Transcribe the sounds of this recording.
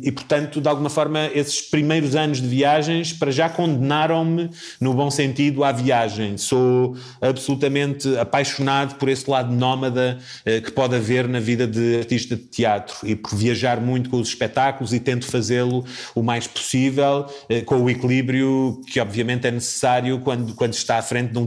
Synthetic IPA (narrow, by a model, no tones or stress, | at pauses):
ipuɾt̪ɐ̃nt̪ud̪alˠɣumɐfɔɾmɐesɨ̥ʃpɾimɐjɾuzɐnuʒðɨviaʒɐ̃j̃ʃpɐɾɐʒakõnd̪ɨnaɾɐ̃w̃mɨ | nuβõsẽnt̪iðuaviaʒɐ̃j̃so | ɐβsulˠut̪ɐmẽnt̪ɐpajʃunaðupɔɾeslˠaðunɔmɐðɐ | ɛkɨ̥pɔðɐveɾnɐviðɐðɨɐɾt̪iʃt̪ɐdt̪iat̪ɾuipuɾviɐʒaɾmũj̃t̪u̥kõuzʃpɛt̪akulˠuzit̪ẽnt̪u̥fɐzeɾlˠuumajʃpu̥sivɛlˠɛkõuiklˠiβɾjukʰɨɔbviɐmẽnt̪ɛnɨsɨ̥saɾjukwɐ̃nd̪ukwɐ̃nd̪ʃt̪aafɾẽnt̪̚d̪ũ